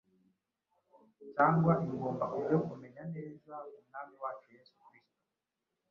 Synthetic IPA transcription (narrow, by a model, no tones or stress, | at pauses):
caːŋɡwaʔiŋɡombaʔuɾjoʔumeɲanɛzaumnamiwaːt͡ʃujesu̥kɾisto̥